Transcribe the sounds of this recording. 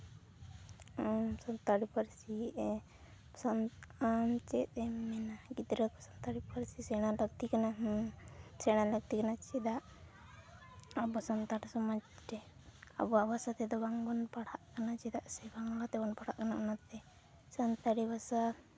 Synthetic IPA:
sɔnt̪aɽipəɾsi | sanamt͡ʃɛt̪̚ɛmɛnaɡid̪ɾət̪̚kɔsɔnt̪aɽipəɾsisɛɽ̃aləɡt̪ikanaɦ | sɛɽ̃aləɡ̚t̪ikanat͡ʃid̪aʔ | abɔsɔnt̪aɾsɔmad͡ʒʈɛa̰bɔabasat̪ɛd̪ɔbaŋɡɔnpaɽaʔkanat͡ʃid̪aʔsɛbaŋlat̪ɛbɔnpaɽaʔkanaʔnat̪ɛ | sant̪aɽibasa

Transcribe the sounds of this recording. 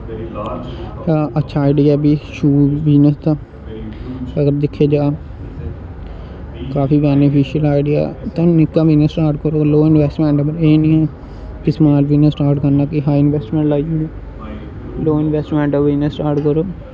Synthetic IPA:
hãːətːʃʰaːɪɖɪjaːbiːʃuːʋiːnəst̪ãː | əɡəɾd̪ɪkʰːeːd͡ʒaː | kaːfiːbɛːnɪpiːʃiəlaːɪɖɪja̰ːt̪ãnɪkːãːʋiːnəsʈaːɾʈkəɾoːloːɪnʋɛːsʈmẽːɳʈːbəɾeːnĩːõː | kɪsmaːlʋiːnəsʈaːɾʈkəɾnaːkɪɦaːiɪnʋɛːsʈmɛ̃ːɳʈlaːiuːɡi | loːɪnʋɛːsʈmɛ̃ːɳʈaʋiːnəsʈaːɾʈkəɾoː

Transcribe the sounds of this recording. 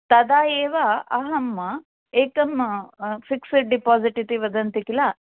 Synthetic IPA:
t̪ɐd̪aːjeːʋaɐɦɐmːɐ | eːkɐmfiksiʈɖipaːziʈit̪iʋɐd̪ɐnt̪ikilaː

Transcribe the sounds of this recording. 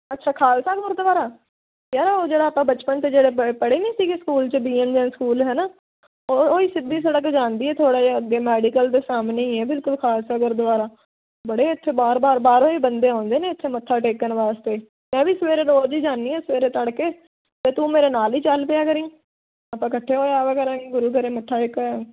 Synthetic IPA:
ətːʃʰaːkʰaːlsaːɡoɾd̪ʋaːɾaː | kjaːɾaːoːd͡ʒeːɽaːpãːbət͡ʃpənt̪eːd͡ʒeːɽeːpəɽeːnĩːsiːkeskuːlt͡ʃbiːend͡ʒɛ̃ːskuːlɦɛːnaː | oːiːsɪb̪iːsəɽəkd͡ʒaːnd̪iːɛːt̪ʰoːɽaːd͡ʒeəɡːeːmɛːɖikəld̪eːsaːmneːĩːɦɛːbɪlkʊlkʰaːlsaːɡoɾd̪ʋaːɾaː | bəɽeːɪt̪ʰːeːbaːɾbaːɾbaːɾoːiːbənd̪eːɦãːnd̪eːneːɪt̪ʰːeːməʈʰːaːʈeːkːənʋaːst̪eː | mɛ̃ːʋiːsəʋeːɾeːɾoːd͡ʒiːd͡ʒaːnːiːɦɛːsəʋeːɾeːt̪əɽkeː | t̪eːt̪ũːmeːɾeːnaːliːt͡ʃəlpɪjaːkəɾiː | aːpãːkəʈʰːeːɦoːeaːʋəkəɾãːɡeːɡʊɾuːkəɾeːməʈʰːaːɪkː

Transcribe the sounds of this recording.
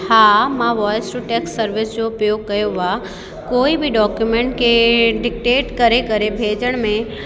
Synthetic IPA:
haːmãʋɔːjəsʈuʈɛːksːəɾʋɪsd͡ʑopɾjoːɡ̚kɐjoʋa | koːibʱiɖɔːkjumẽːɳʈkeɖɪk̚ʈeːʈkɐɾekɐɾebʱeːd͡ʒəɽ̃mẽ

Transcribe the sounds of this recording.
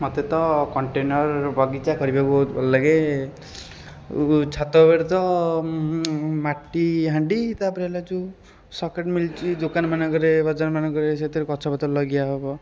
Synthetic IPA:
mɔt̪et̪ɔkɔɳʈenɔɾbʱaɡit͡ʃakɔɾibʱakɔt̪bɔllaɡe | t͡ʃʰat̪ɔbeɾt̪ɔ | maʈːiɦaɳɖit̪apɾelad͡ʒũ | sɔkeʈmilt͡ʃʰid̪okanmanaɡɔɾebɔd͡zanmanɔɡɔɾeset̪iɾkɔt͡ʃʰɔbat̪ɔlɔɡijaɦɔbɔ

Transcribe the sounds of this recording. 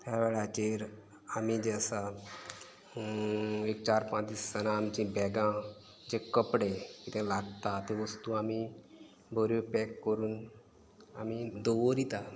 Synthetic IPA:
t̪jaʋɛɭat͡ɕeɾ | amid͡ʑesa | ek̚t͡ɕaɾpãt̪iːsːənaːmt͡ɕĩbɛɡã | d͡ʑekəpɽekit̪ɛ̃laɡt̪at̪eʋəst̪uami | bʱəɾopɛkːəɾuːn | amid̪oʋəɾit̪a

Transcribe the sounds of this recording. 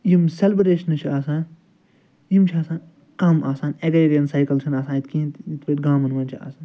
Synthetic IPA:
jimselbɾeːʃɐnɨt͡ʃʰiaːsãːn | jimt͡ʃʰiaːsaːn | kɐmaːsaːneɡɐiɾiɐnsaːjkɐlt͡ʃʰinaːsãːnit̪kĩːnt̪it̪ʰbeːʈɡãːmɐnʋɐnt͡ʃʰia̰ːsaːn

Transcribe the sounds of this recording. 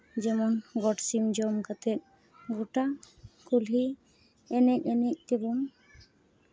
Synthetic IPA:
d͡ʒɛmɔnɡɔʈsimd͡ʒɔmkat̪ɛt̪̚ | ɡoʈa | kulɦi | ɛnɛc̚ɛnɛc̚t̪ebum

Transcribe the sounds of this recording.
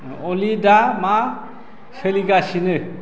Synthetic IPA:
ɔlidama | sɯliɡasinɯ

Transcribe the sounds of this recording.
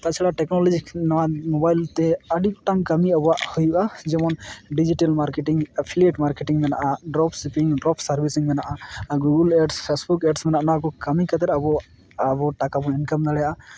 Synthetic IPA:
t̪at͡ʃʰɛɽaʈɛknɔlɔd͡ʒiknɔwamɔbajlt̪ɛəɖip̚ʈaŋkamiabaʔhɔjuʔad͡ʒɛmɔnɖid͡ʒiʈelmaɾkeʈiŋapʰilieʈmaɾkeʈiŋmɛnaʔaɖɾɔpʰsipiŋɖɾɔpʰsaɾbisiŋmɛnaʔaɡuɡuleɖspʰesbukeɖsmɛnaʔnɔwakɔkamikat̪ɛɾabɔ | abɔʈakabɔninkamnalɛjaʔa

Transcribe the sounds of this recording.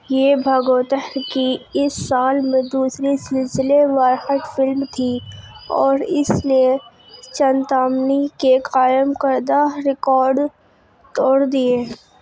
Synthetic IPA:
jeːbʱəɡoːt̪əɦɾkiɪsːaːlmẽd̪uːsɾisɪlsɪleʋaɾhəʈ̪fɪlmt̪ʰiɔːɾɪsne | t͡ʃənt̪aːmnikekaːjəmkəɾd̪aɾɪkɔːɾɖ | t̪ɔːɽd̪ieː

